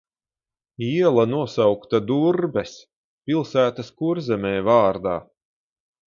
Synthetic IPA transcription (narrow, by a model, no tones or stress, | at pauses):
iɛlˠanuɔsawkt̪ad̪uɾbɛs | pʲilˠsæːt̪ɐskuɾzɛmʲɛːvɑːɾd̪aː